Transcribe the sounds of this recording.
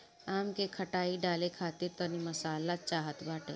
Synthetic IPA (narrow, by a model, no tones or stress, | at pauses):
aːmkekʰɐʈaːiɖaːlekʰaːt̪ɪɾt̪ɔnimɐsaːlat͡ʃaːɦət̪baːʈḛː